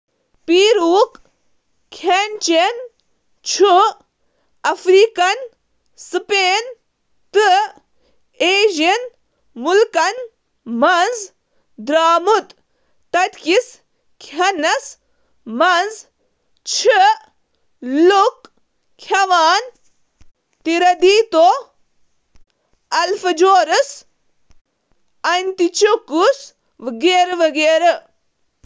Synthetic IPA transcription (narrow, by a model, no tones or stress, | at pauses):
piːɾuːk | kʰent͡ʃen | t͡ʃʰu | ɐfɾiːkɐn | sɨpeːn | t̪ɨ | eːʑin | mulkɐn | mɐnz | d̪ɾaːmut̪ | t̪ɐt̪kis | kʲʰɐnɐs | mɐnz | t͡ʃʰi | luk | kʲʰɐʋaːn | t̪iɾɐd̪iːt̪o | ɐlfɐd͡ʒoːɾɨs | ɐnt̪it͡ʃokus | ʋɡeːɾʋɐɡeːɾɐ